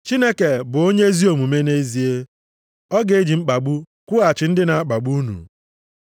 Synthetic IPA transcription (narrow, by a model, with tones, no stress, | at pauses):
t͡ʃi˦ne˦ke˨bʊ˨o˦ɲe˦zi˦o˨mu˨me˦ne˦zi˨e˦ | ɔ˦ɡe˨e˦d͡ʒi˨ŋ͡m̩˦k͡pa˨ɡ͡bu˦ | kʷu˦a˨t͡ʃɪ˨n̩˦dɪ˦na˨a˦k͡pa˨ɡ͡bu˦nṵ˨